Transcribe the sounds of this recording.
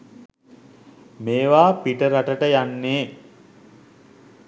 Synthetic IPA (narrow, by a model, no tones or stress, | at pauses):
meːʋaːpiʈəɾaʈəʈəjanːeː